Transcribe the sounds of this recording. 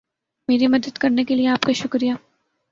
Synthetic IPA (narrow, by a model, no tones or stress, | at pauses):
meːɾimɐd̪əd̪kɐɾnekelieaːpkaʃʊkɾija